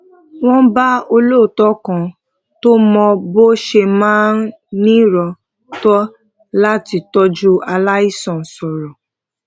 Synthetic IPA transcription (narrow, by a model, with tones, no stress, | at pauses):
w̃ɔ̃˦ba˦o˧lo˦˨tɔ˦kã˧ | to˦mɔ̃˧bo˦ʃe˧mã˦n˦ | nĩ˦˨ɾɔ˧ | tɔ˦ | la˦ti˨˧tɔ˦d͡ʒu˦a˧la˦i˦sɔ̃˨n̩˨sɔ˨ɾɔ˨